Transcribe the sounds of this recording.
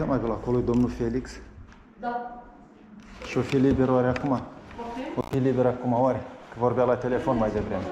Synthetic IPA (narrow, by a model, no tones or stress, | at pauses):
əmabʲulakolˠujd̪omnulfelʲiks | ʃofilibeɾaɾʲakuma | ofilʲibʲeɾakumawaɾʲekɨvorbʲjalat̪ʲelʲefonmajd̪evɾemʲe